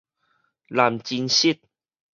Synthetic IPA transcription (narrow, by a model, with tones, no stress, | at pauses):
la˨˩mt͡ɕi˧nɕi˦˩t̪̚